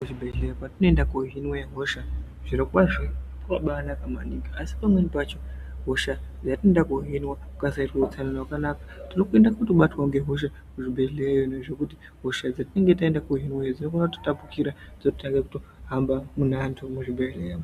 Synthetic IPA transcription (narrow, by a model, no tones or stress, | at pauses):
kuʐibʱeɮejopatino̞endakoɦinweɦoʃa | ʐ̥inokwaʐepwaɓanakama̰niŋɡiasi̥pamwenipat͡ʃo | ɦoʃad͡zatiendakoɦinwamukasaitwaut͡sananawakanakḁtinokue̞ndakkutoɓatwaŋɡe̞ɦo̞ʃ̬a | kuʐibʱeɮejone̞ʐe̞kuti | ɦo̞ʃad͡zatine̞ŋɡe̞taendakoɦinwejod͡zinokonakuto̥tapukiɾa | d͡zotu̥taŋɡeku̥to̞ɦambamunantʰomuʐibʱeɮewo